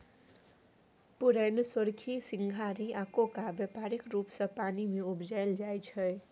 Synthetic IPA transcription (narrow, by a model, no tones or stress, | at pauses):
pʊɾɛnswəɾkʰisɪŋɡʱaɾiʔaːkokabəpaɾɪkɾuːpsə̃paːnimẽʊbd͡ʒaɪld͡ʒajt͡ʃʰəj